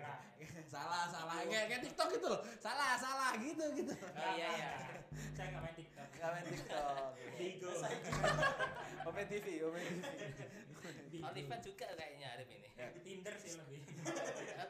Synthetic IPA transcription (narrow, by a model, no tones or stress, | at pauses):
salahsalakajakajat̪ik̚t̪ɔk̚ɡit̪ulhsalahsalahɡit̪uɡit̪uijaijasaŋamant̪ik̚t̪ɔkŋamajnt̪ik̚t̪ɔkliɡ | omet̪ifiomet̪ii | olifat̪̚d͡ʒ̥uɡaʔkajaʔɲaːɾɪpinɪ̰t̪indərsihlaɡi